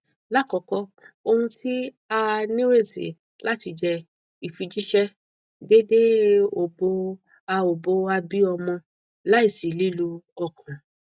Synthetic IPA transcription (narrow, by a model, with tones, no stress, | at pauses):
la˦˨kɔ˨˧˦kɔ˧o˧hũ˧ti˦ | a˧nĩ˦ɾe˦˨sḭ˨˦ | la˦ti˧d͡ʒɛ˧ | i˨fi˧d͡ʒi˦ʃɛ˦ | de˦de˦o˨bo˧ | a˧o˨bo˧a˧bi˦ɔ˧mɔ̃˧ | la˨˦i˦˨si˨li˨˦lu˧ɔ˧kʰɔ̃˨